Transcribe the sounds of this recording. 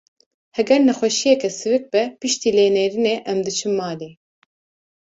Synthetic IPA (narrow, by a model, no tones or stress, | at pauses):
hɛɡɛɾnɛxʷɛʃijɛkɛsɨvɨk̚bɛpɨʃt̪iːleːnɛɾineʔɛmd̪ɨt͡ʃʰɨmːɑːleː